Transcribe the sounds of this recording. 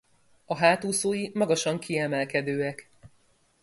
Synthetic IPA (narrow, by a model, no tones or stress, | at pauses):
ɒɦaːt̪uːsoːjimɒɡɒʃɒŋkʰiɛmɛlkɛd̪øːɛk